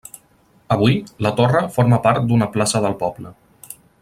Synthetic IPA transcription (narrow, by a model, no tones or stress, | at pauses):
əβuilət̪orəfoɾməpaɾt̪̚d̪unəplasəðəlˠpɔblə